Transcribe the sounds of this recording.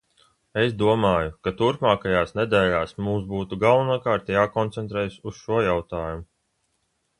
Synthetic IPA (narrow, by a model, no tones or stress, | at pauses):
esd̪uɔmaːjukat̪uɾpmaːkajaːsned̪ɛːlaːsmuːsbuːt̪uɡalˠvunuɔkaːɾt̪jaːkɔnt̪sɛnt̪ɾɛːjususʃuɔjawt̪aːjumu